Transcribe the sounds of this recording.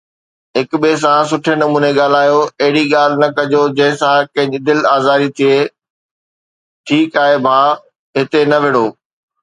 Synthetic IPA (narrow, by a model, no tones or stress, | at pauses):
ɦɪkɓes̬ãs̬ʊʈʰenɐmuːneɠaːl̤aːjoɐɦɪɽiɠaːl̤ɪnɐkɐd͡ʑod͡ʑɐ̃ɦɪ̃sãkɐ̃ɦɪ̃ɲd͡ʑd̪ɪlaːzaːɾit̪ʰie | ʈʰiːkaːɦebʱaː | ɦɪt̪enɐʋɪɽoː